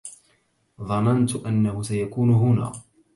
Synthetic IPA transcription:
ðˤɑnant̪ʊʔanːahʊsajakuːnʊɦʊna̰ː

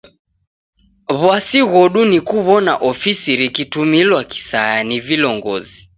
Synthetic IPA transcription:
βwasiɣɔɗunikuβɔnaʔɔfisiɾikitumilwaki̥sajanivilɔŋɡɔ̰zi

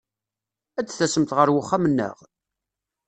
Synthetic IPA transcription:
æt͡sːθæsəmt̪ʁəɾwəχːamənːə̰ʁ

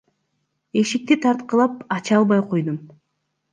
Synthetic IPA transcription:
e̞ʃik̚t̪it̪ʰɑɾt̪qəlˠɑpɑt͡ʃɑlˠbɑjqʰo̞jd̪um

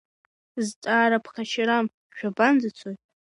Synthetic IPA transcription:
zt͡sʼaːɾapʰχaʃʰɪɾam | ʃᶣaband͡zɨt͡sʷʰojtʼ

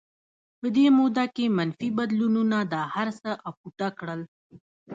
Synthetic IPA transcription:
pəd̪emod̪akemanfibad̪lununad̪ɑhaɾsəʔapuʈ̪akɽəl

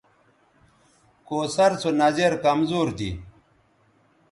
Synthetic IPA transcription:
koːsɐɾt͡sʰonɐzeɾkɐmzoːɾd̪ḭ

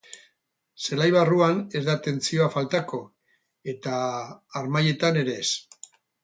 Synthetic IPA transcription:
se̞lajβaruane̞zd̪at̪e̞nt͡sio̞afalt̪ako̞ | e̞t̪aːɾmaje̞t̪ane̞ɾe̞ːs

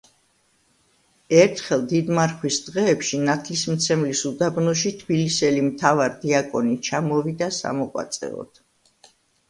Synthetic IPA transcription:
ɛɾt̪ʰχɛlˠd̪id̪maɾχwisd̪̥ʁɛːpʃinat̪ʰlismt̪sʰɛmlisud̪abnɔʃit̪ʰbilisɛlimt̪ʰavaɾd̪iakʼɔnit͡ʃʰamɔvid̪asa̰mɔqʼwa̰t̪sʼɛ̰ɔ̰d̪̥

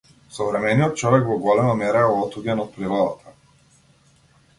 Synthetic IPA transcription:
sɔvɾɛmɛnijɔt̪̚t͡ʃɔvɛkvɔɡɔlɛmamɛɾaɔɔt̪uɟɛnɔt̪̚pɾiɾɔd̪at̪ʰa

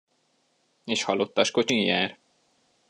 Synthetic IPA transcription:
eːʃhɒlot̪ːɒʃko̞t͡ʃiŋjaːr

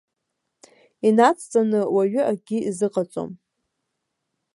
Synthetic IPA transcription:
inat͡sʰʼt͡sʼanɨwaɥʏʔaɡʲiizɨqʼat͡sʼo̰m

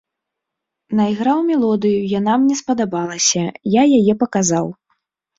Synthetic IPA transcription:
najɣɾawmʲɛlˠɔd̪ɨjujanamnʲɛspɐd̪abalˠɐsʲɐjajajɛpɐkazaw

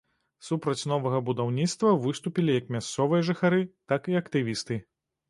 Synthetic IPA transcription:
supɾɐt͡sʲn̪ɔvɐɣɐbud̪awnʲit̪st̪vɐvɨst̪upʲilʲijɐkmʲast̪sɔvɨjɐʐɨxaɾɨt̪akiɐkt̪ɨvʲist̪ɨ

